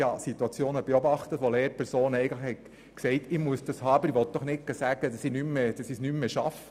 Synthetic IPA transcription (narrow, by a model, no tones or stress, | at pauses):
hɑsit̪uɑt͡sjoːnəb̥eɔbɑχt̪ətʋɔleːɾpʰɛɾsoːnɛɪɡən̩tləχhɛt | ksɛɪtɪmuəsd̥̪ɑshɑːbəɾiʋɔt̚d̥ɔχnɪkːəsæɡəd̥ɑsinymːed̥ɑsisnymːeʃɑfə